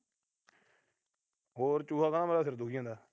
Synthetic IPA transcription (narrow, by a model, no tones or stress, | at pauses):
ɦoːɾt͡ʃuːɦaːkənaːməlaːsɪɾd̪ʊkʰijãːd̪aː